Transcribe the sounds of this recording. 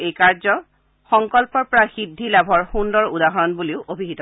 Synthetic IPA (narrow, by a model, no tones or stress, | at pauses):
ejkaɹzɔ | xɔŋkɔlpɔɹpɔɹaxidʱːilabʱɔɹxundɔɹudaɦɔɹɔnbuliʊʔobʱiɦitɔ